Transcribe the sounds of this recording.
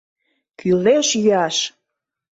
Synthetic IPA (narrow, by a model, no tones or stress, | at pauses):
kyleʃjyɑʃ